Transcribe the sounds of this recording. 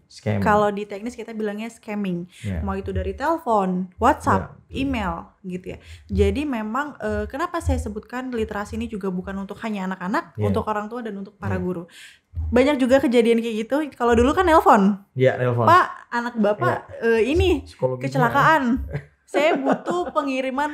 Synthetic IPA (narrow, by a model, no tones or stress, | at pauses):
kkalodit̪ɛk̚nɪskit̪abilaŋɲaskɛmɪŋmait̪udaɾit̪ɛlfɔnwat̪̚sap̚imelɡit̪uja̰d͡ʒadimemaŋəkənapasajasəbʊt̪̚kanlit̪əɾasiːnid͡ʒuɡabukanunt̪ʊkhaɲaːnakanak̚ṵnt̪ʊkoɾaŋt̪uadanunt̪ʊk̚paɾaɡuɾu | baɲak̚d͡ʒuɡakəd͡ʒadiankəɡit̪ukalodulukanːɛlfɔnjanɛlfɔpaʔanak̚bapaəinikət͡ʃəlakaʔan | sajabut̪upəŋiɾiman